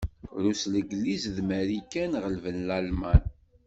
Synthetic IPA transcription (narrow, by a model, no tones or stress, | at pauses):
ɾusləɡlːizðmæɾikːænʁəlvənlælmæn